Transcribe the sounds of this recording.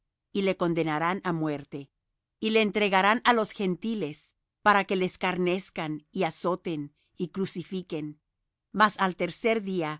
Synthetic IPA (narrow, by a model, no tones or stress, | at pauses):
ile̞ko̞nd̪e̞naɾanamwe̞ɾt̪e̞ | ile̞ːnt̪ɾe̞ɣaɾanalo̞sxe̞nt̪ile̞s | paɾake̞le̞skaɾne̞skaniaso̞t̪e̞n | ikɾusifike̞n | masalt̪e̞ɾse̞ɾðia